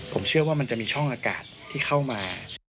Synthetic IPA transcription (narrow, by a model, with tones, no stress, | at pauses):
pʰo˩˦mt͡ɕʰɯ˥˩ɐwaː˥˩ma˧nt͡ɕa˨˩ʔmiː˧t͡ɕʰɔ˥˩ŋʔaː˧ka̰ː˨˩t̪ʰːiː˥˩xʰa˥˩wmaː˧